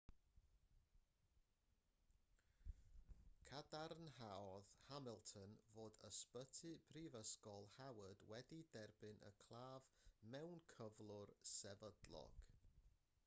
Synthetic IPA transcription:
kʰadarnhaɔðhamɪlˠtʰənvoːdəspətʰɨpʰrivəskɔlˠhawədwɛdidɛrbɨnʔə̰kʰl̥ˠaːvmɛwnkʰəvlˠʊrsɛvədlˠɔ̰ɡ̥

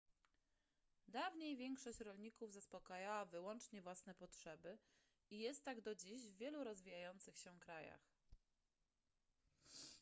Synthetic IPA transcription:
d̪avɲejvʲjɛŋkʂɔɕt͡ɕɾɔlɲikuvzaspɔkajawavɘwɔnt͡ʂɲɛvwasnɛpɔtʂɛbɘ | ijɛst̪ːaɡd̪ɔd͡ʑiʑvːʲjɛluɾɔzvʲijajɔnt̪sɘxɕɛkɾaja̰x

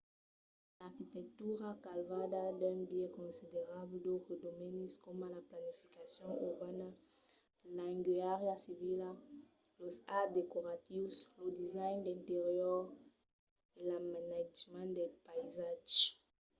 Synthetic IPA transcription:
laʁkit̪ɛk̚t̪uʁakalvad̪ad̪ɛ̃mbjɛkɔ̃nsideʁabld̪oed̪omɛniskɔmalaplanifikasjɔ̃ŋuʁbana | laŋɡyaʁjasivila | losad̪ekoʁat̪iwslod̪izajnd̪ɛ̃nt̪eʁjɔʁ | elamanad͡ʒmãnd̪elpaizaʒ

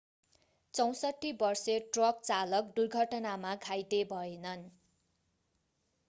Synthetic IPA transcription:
t͡sʌw̃sʌʈʰːibʌrseʈrʌk̚t͡salʌk̚durɡʱʌʈʌnamaɡʱajt̪ebʱʌenʌn

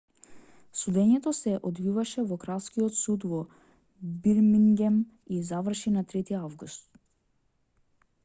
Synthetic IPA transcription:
sud̪ɛɲɛt̪ɔsɛʔɔd̪vivaʃɛvɔkɾaskiɔt̪sud̪vɔ | biɾmiŋɡɛm | izavr̩ʃinat̪ɾɛt̪iavɡust̪

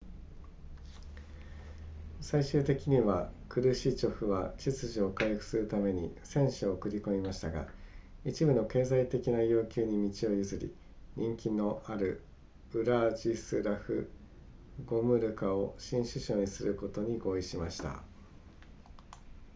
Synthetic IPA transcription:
saiɕɨːt̪e̞kʲiɲ̟iβakɯ̟ɾɯ̟ɕiːt͡ɕo̞ɸɯ̟βat͡ɕit͡sɨʑio̞kajoɸɯ̟̥sɨɾɯ̟t̪ame̞ɲ̟isẽ̞ɰ̃ɕiokɯ̟ɾʲiko̞mʲimaɕi̥t̪aɡa̰ | it͡ɕibɯ̟no̞ke̞ːzait̪e̞kʲinajo̞ːkʲɨːɲ̟imʲit͡ɕio̞jɯ̟zɨɾʲḭ | ɲ̟ʔĩŋkʲino̞ʔaɾɯ̟ | ɯ̟ɾaʑisɨɾaɸɯ̟̰ | ɡo̞mɯ̟ɾɯ̟kao̞ɕĩɰ̃ɕɨɕo̞ːɲ̟isɨɾɯ̟ko̞t̪o̞ɲ̟iɡo̞ːiɕimaɕi̥t̪a̰

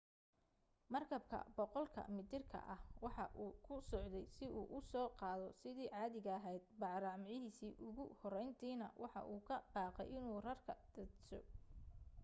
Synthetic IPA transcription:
mɐrkʰɐbkʰɐ̰bɔqɔlkʰɐ̰mɪd̪ɪrkʰɐ̰ʔɐhwɑħɑʔuːkʰʊsɔʕd̪ɛjsɪʔuːʔʊsɔːqɑːðɔsɪðiːʕɑːðɪɣɐɐɦɛjd̪̚bɑʕɾɑʕmʕɪɦiːsiːʔʊɣʊhɔrɛjnt̪ʰiːnɐ̰wʔɑħɑ̰ʔuːkʰɐb̥ɑːqɛ̰jʔɪnuːrɐrkʰɐd̪̥ɐd̪sɔ̰

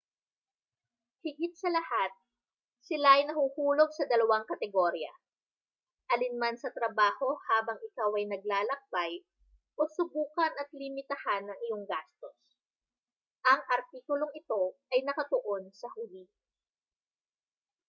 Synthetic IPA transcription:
hɪɡɪt̪̚sɐlɐhat̪̚ | sɪlaʔɐjnɐhuːhuːlo̞ɡ̚sɐd̪ɐlɐwaŋkɐt̪ɛɡoɾjɐ̰ | ʔɐlɪnmansɐt̪ɾɐbaːho̞haːbɐŋʔɪkawʔɐjnɐɡ̚laːlɐk̚baj | ʔo̞sʊbuːkɐnɐt̪lɪmɪt̪ɐhanːɐŋʔɪjo̞ŋɡast̪o̞s | ʔɐŋʔɐɾt̪iːkʊloŋɪt̪o̞ʔɐjnɐkɐt̪oʔo̞nsɐhʊli

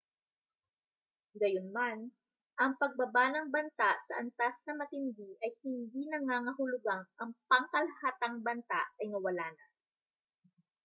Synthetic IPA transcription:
ɡɐjonman | ʔɐŋpɐɡ̚bɐbanɐŋbɐnt̪aʔsɐʔɐnt̪asnɐmɐt̪ɪnd̪iʔɐjhɪnd̪inɐŋaːŋɐhʊlʊɡaŋʔɐŋpɐŋkɐlɐhaːt̪ɐŋbɐnt̪aʔɐjnɐwɐlaːnɐ

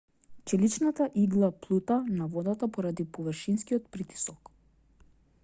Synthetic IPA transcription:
t͡ʃɛlit͡ʃnat̪aʔiɡlˠaplˠut̪anavɔd̪at̪apɔɾad̪ipɔvərʃinskiɔt̪pɾit̪i̥sɔk

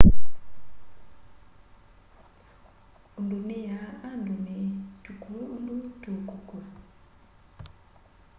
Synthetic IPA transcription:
undunijaandunitukuundutukuka

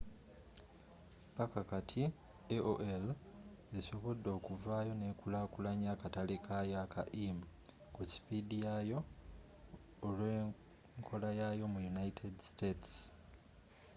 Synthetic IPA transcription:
pakakatʰi | eʔoʔeleso̞βo̞dːo̞ːkuvaːjo̞ne̞kulakulaɲakatalikʰajaka̰ʔim̩ | kuci̥pidijajo̞ | lweː | ŋkʰo̞lajajo̞mujunaitʰedstets

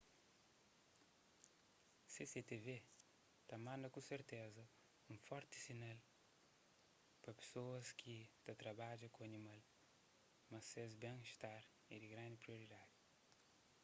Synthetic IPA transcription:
seset̪eve | t̪ɐmãnd̪ɐkũseɾt̪ezɐ | ũfɔɾt̪i̥sinal | pɾɐpe̥soɐskʰit̪ɐt̪ɾɐbad͡ʒɐkõɐnimal | mɐsezbẽŋiʃt̪aɾ | id̪iɡɾãnd̪ipɾioɾid̪ad̪i

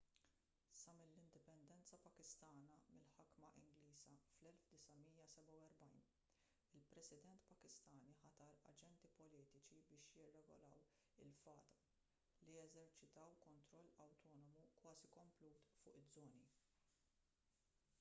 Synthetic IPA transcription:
sɐmɪlːɪnd̪ɪpɛnd̪ɛnt͡sɐpɐkɪst̪ɐːnɐmɪlħɐkmɐʔɪ̰ŋɡliːzɐflɛlfd̪ɪsɐmiːjɐsɛbɐwɛɾbɐjn | ɪlpɾɛsɪd̪ɛnt̪pɐkɪst̪ɐːniħɐt̪ɐɾɐ̰d͡ʒɛnt̪ipɔliːt̪ɪt͡ʃibɪːʃjɪrːɛɡɔ̰lɐw | ɪlfɐ̰ːt̪ɐ̥ | liɛzɛɾt͡ʃɪt̪ɐwkɔnt̪ɾɔlːɐwt̪ɔːnɔmukwɐːzikɔmpluːt̪fʊːʔɪdd͡zzːɔːni

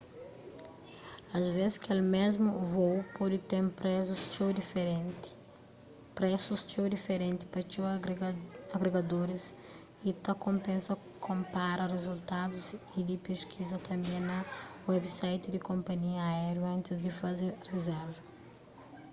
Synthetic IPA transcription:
ɐzvezɪskelmezmuvowpɔd̪ɪt̪ẽɾpɾɛzust͡ʃod̪ifɾt | pɾɛsust͡ʃowd̪ifeɾẽnt̪i̥pɐt͡ʃo | ɐɡɾeɡad̪oɾis | it̪ɐkõmpẽnsɐ | kʰõmpaɾɐrezult̪ad̪uz | id̪ipeskʰizɐt̪ʰɐ̃mbẽnɐwɛbisajt̪ɪd̪ɪkõmpɐɲiɐːɛɾjuɐ̃nt̪ɪzd̪ɪfɐzeɾrezɛɾvɐ

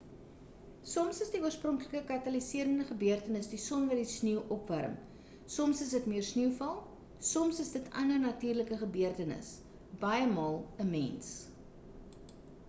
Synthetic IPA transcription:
sɔmsəsdiuərsprɔŋkləkəkɐtɐlisiəɾəndəχəbyərtənəsdisɔnvɐdisniwʔɔpværəm | sɔmsəsdətmiərsniwfɐlˠ | sɔmsəsdətɐ̰nərnɐtiːrləkəχəbyərtənə̰s | b̥ɐjəmɑːlˠəmɛ̰ns

